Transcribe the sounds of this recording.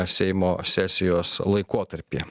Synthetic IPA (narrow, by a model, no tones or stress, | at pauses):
sʲɛɪmoːsʲæsʲɪjoːslˠɐɪkoːt̪ɐɾʲpʲḛ